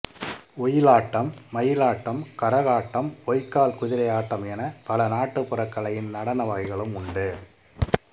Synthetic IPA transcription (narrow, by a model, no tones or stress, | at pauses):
ʊjɪlaːʈːɐmːɐjɪlaːʈːɐmkɐɾɐɣaːʈːɐmɔjkːaːlkʊðɪɾɐɪjaːʈːɐmɛnɐpɐlɐnaːʈːɯpːɯrɐkːɐɭɐjɪnnɐɽɐnɐʋaːɣɪɣɐɭɯmʊɳɖɯ